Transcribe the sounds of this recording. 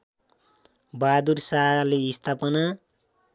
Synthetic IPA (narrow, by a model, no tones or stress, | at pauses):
bad̪ursaɦleist̪ʰapʌna